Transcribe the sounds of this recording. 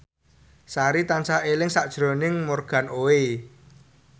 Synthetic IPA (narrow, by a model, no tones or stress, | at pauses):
saɾit̪ansaelɪŋsaʔd̥ʒ̥ɾo̤nɪŋmorɡ̥a̤noe